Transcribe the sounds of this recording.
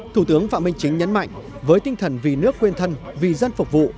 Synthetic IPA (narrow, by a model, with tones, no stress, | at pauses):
t̪ʰu˧˩t̪ɨ˨˦əŋfa̰ː˧˨mï˧ŋ̟t͡ɕï˨˦ŋ̟ɲə˨˦nma̰˧˨jŋ | vəː˨˦jt̪ï˧ŋt̪ʰə˨˩nvi˨˩nɨ˦˥ək̚ːwi˧nt̪ʰə˧nvi˨˩zə˧nfʊ˨˩k͡p̚vṵ˧˨